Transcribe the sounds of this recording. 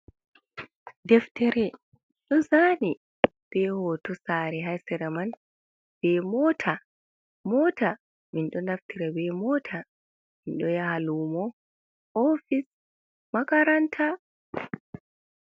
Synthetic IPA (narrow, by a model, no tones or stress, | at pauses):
dɛftɛɾɛ | ɗɔzaːni | b̥ɛhɔːtɔsaːɾɛɦajsɛɾɛman | b̥ɛmɔtʰa | mɔːta | minɗɔnaftiɾabɛmɔːtʰa | minɗɔjahaluːmɔ | ofis | makaɾantʰa